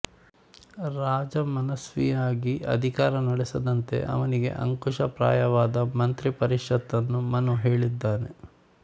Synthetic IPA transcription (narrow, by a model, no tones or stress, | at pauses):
ɾaːd͡ʒɐmɐnɐsʋḭjaːɡiɐ̰d̪ʱikaːɾɐnɐɽesɐd̪ɐnt̪e̞̰ʔɐ̰ʋɐniɡe̞̰ʔɐ̰ŋkuʂɐpɾa̰ːjɐʋaːd̪ɐmɐnt̪ɾipɐɾiʂɐt̪ːɐnːumɐnuɦeːɭid̪ːaːne